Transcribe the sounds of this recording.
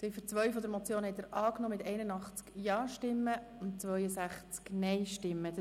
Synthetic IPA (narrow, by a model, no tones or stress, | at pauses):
sɛfəɾt͡sʋœɥfɔd̪əɾmɔt͡sjoːnhɛtɛɾʔɑːknoːmɪtɛɪnənɑχt͡skjɑːʃtɪmːə | ʊntt͡sʋœʏəsæχt͡sknɛɪʃtɪmːə